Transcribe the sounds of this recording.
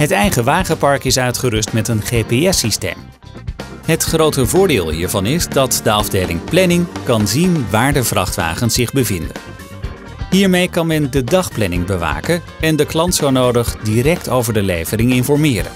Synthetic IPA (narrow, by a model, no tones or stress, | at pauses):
ɦətɛjχəʋaːχəpɑɹkɪsœɥtχərʏstmɛtənχejpeɛsistḛjm | ɦətχrowtəvʊːɹdɪːlˠɦiːɹvɑnɪzdɑtdəɑvdejlɪ̰ŋplɛnɪŋkɑnzinʋaːɹdəvrɑ̰χtʋa̰ːχənsɪχbəvɪndə̰n | ɦiːɹmejkɑnmɛndədɑχplɛnɪŋbəʋa̰ːkən | ɛndəklɑntsownowdəχdirɛk̚towvəɹdəlejvərɪŋɪnfɔɹmɪːɾə̰n